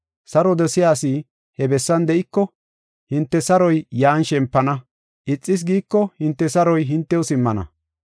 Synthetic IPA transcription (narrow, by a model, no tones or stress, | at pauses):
sɐɾɔd̪ɛsɪjaːsi | hɛbɛsːɐnd̪ɛʔɪkːɔ | hɪnt̪ːɛsɐɾɔjjaːnʃɛmpːɐnɐ | ʔɪt͡sʼːɪs̬ɡiːkːɔhɪnt̪ːɛsɐɾɔjɦɪnt̪ːɛwɔsɪmːɐnɐ̰